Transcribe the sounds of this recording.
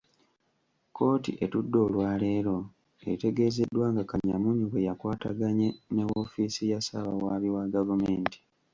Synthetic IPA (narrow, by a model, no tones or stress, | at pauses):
ko̞ːtḭʔetudːo̞ːlwaːle̞ːɾo̞ | eite̞ɡe̞ze̞dːwaːŋɡakaɲamuɲuβejakwaːta̰ɡaɲenewofiːsijasaβa̰waːβiwaɡavumeːnti̥